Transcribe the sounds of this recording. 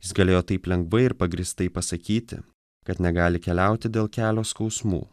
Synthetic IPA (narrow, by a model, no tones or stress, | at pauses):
jɪsɡɐlʲeːjoːt̪ɐɪplʲɛŋɡʋɐɪɪɾpɐɡɾʲist̪ɐɪpɐsɐkʲiːt̪ʲɪ̰ | kɐt̪nʲɛɡɑːlʲɪkʲɛlʲæˑʊt̪ʲɪd̪ʲeːlˠkʲæːlʲoːskɒʊsmṵː